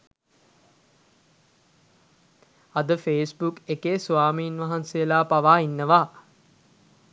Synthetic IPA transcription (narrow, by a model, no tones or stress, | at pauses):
ad̪əfeːsbukekeːsuaːmiːnʋaɦansejəlaːpaʋaːinːəʋaː